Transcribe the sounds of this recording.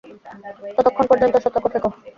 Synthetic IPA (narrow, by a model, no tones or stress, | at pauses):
t̪ɔt̪okʰːonpɔɾd͡ʑont̪oʃɔt̪ːokːot̪ʰako